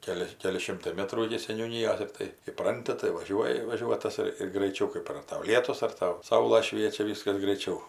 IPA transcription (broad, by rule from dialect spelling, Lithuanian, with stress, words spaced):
ˈkʲæːlʲɪ ˈkʲæːlʲɪ ˈʃʲɪmtɐɪ ˈmʲæːtruː ɪkʲɪ sʲɛnʲuːˈnʲiːjoːs ɪr ˈtɐɪ ɪˈprɐnʲtʲɪ tɐɪ ʋɐˈʒʲuɔjɪ ʋɐˈʒʲuɔtɐs ɪr ɪr ɡrɐɪˈt͡ʃʲɛʊ ˈkɜp ɐr ˈtɐʊ ˈlʲiɛtʊs ɐr ˈtɐʊ ˈsɐʊlˠɐ ˈʃʲʋʲiɛt͡ʃʲɛ ˈʋʲiːskɐs ɡrɐɪˈt͡ʃʲɛʊ